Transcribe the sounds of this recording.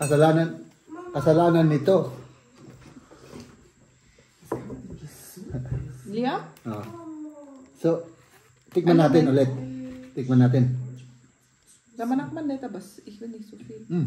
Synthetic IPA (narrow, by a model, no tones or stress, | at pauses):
kɐsɐlaːnan | kɐsɐlaːnanːɪt̪o | liaʔo | so | t̪ɪk̚manːaːt̪ɪnolɛt̪̚ːɪk̚manaːt̪ɪn | sɐmɐnak̚manːɛt̪abasihunisufi